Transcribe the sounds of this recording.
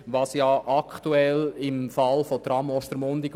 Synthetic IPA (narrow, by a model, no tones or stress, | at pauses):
ʋɑsjɑʔɑkt̪uɛlɪmfɑlfot̪ɾɑmɔʃt̪əɾmʊnd̪iɡ